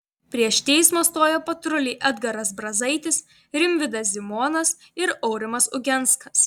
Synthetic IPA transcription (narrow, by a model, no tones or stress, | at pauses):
pʲɾʲiɛʃt̪ʲɛɪsmoːst̪oːjopɐt̪ɾʊlʲiːʔɐd̪ɡɐɾɐs̬bɾɐzɐɪt̪ʲɪs | ɾʲɪmʲʋʲɪd̪ɐsʲzʲɪmoːnɐs | ɪɾɔʊɾʲɪmɐsʊɡʲɛnˑt̪skɐs